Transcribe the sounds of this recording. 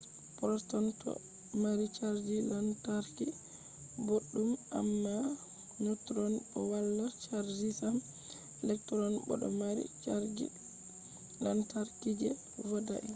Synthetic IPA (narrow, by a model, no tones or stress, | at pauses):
pɔstɔntɔ̰ | maɾit͡ʃaɾd͡ʒilantaɾki | boɗːuma̰mːa | ɲotɾɔnɗɔwalːat͡ʃaɾd͡ʒisam | ɛlɛk̚tɾɔnbɔ̰ɗɔ̰maɾḭt͡ʃaɾd͡ʒi | lantaɾkid͡ʒɛ | vɔda̰ʔi